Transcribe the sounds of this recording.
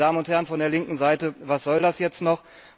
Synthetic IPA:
daːmənʊnthɛɐənfɔndeːɐlɪŋkŋ̩zaɪtəvasz̥ɔldasjɛt͡stnɔχ

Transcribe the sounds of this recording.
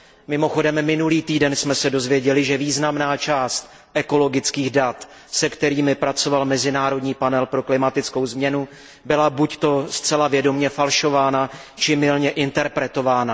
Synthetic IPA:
mɪmo̞xo̞dɛmːɪnuliːt̪iːdɛnsmɛsɛdo̞zvjɛɟɛlɪʒɛviːznamnaːt͡ʃaːst̪ | ʔɛko̞lo̞ɡɪt͡skiːɣdat̪ | sɛkt̪ɛɾiːmɪpɾat͡so̞valmɛzɪnaːɾo̞dɲiːpanɛlpɾo̞klɪmat̪ɪt͡sko̞wzmɲɛnu | bɪlabuct̪o̞st͡sɛlavjɛdo̞mɲɛfalʃo̞vaːna | t͡ʃɪmɪlɲɛʔɪnt̪ɛɾpɾɛt̪o̞vaːna

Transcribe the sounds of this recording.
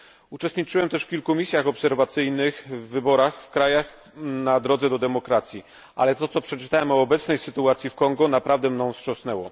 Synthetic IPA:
ut͡ʂɛst̪ɲit͡ʂɘwɛmt̪ɛʂfkʲilkumʲisʲjaxɔpsɛɾvat̪sɘjnɘxvːɘbɔɾaxfkɾajax | nad̪ɾɔd̪zɛd̪ɔd̪ɛmɔkɾat̪sʲji | ʔa̰lɛt̪ɔt̪sɔpʂɛt͡ʂɘ̥t̪awɛmɔːbɛt̪snɛjsɘt̪uat̪sʲjifkɔŋɡunapɾavd̪ɛmnɔ̃w̃fsʂɔ̃snɛwɔ

